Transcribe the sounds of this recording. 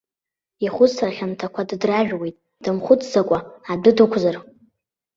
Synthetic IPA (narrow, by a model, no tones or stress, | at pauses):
iχʷʊarχʲamtʰakʷʰaddraʒᶣwejtʼ | d̥ɨmχʷʊt͡sʰʼzakʷʼaadɨdɨkʷʰzar